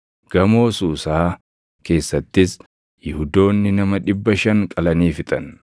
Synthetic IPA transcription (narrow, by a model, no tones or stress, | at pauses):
ɡ̥ɐmo̞ːsuːsaː | ke̞ːsːɐt̪ːɪs | jɪhʊd̪o̞ːnːɪnɐmɐᶑɪbːɐʃɐŋkʼɐlɐniːfɪt̪ʼɐn